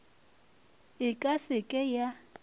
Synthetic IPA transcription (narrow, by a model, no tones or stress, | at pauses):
ɪkʼasɪkʼɛja